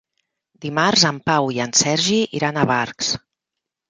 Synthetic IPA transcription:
d̪imaɾzəmpawiənsɛɾʒiʔḭɾanəβaɾks

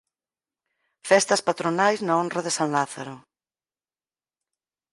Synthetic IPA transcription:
fɛst̪ɐspat̪ɾonajznɐonrɐðesaŋlaθaɾʊ

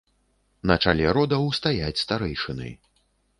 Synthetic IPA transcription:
nɐt͡ʂalʲɛɾɔd̪ɐwst̪ajat͡sʲst̪aɾɛjʂɨnɐ̰j

